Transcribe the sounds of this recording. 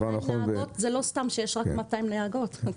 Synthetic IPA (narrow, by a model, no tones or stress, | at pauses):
anaχonot̪zelo̞stamʃejeʃʁakkmat̪aimneaɡo̞t̪